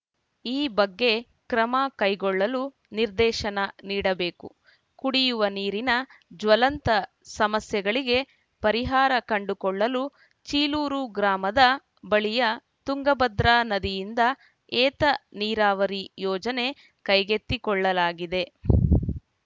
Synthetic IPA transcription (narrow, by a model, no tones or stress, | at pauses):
iːbɐɡːe̞ | kɾɐmɐkɐjɡɔɭːɐlu | niɾd̪ɛːʃɐnɐniːɽɐbe̞ːkṵ | kuɽijuʋɐniːɾinɐd͡ʒʋɐlɐnt̪ɐ | sɐmɐsjɐɡɐɭiɡe̞ | pɐɾiɦaːɾɐkɐɳɖukɔɭːɐlu | t͡ʃiːluːɾuɡɾaːmɐd̪ɐ | bɐɭijɐ | t̪uŋɡɐbɐd̪ɾaːnɐd̪ijind̪ɐ | ɛːt̪ɐniːɾaːʋɐɾijɔːd͡ʒɐne̞ | kɐjɡe̞t̪ːikɔɭːɐlaːɡid̪e̞